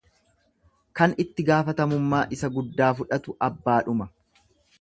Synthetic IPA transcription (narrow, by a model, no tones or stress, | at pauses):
kɐnɪt̪ːɪɡaːfɐt̪ɐmʊmːaːʔɪsɐɡʊd̪ːaːfʊᶑɐt̪ʊʔɐbːaːᶑʊmɐ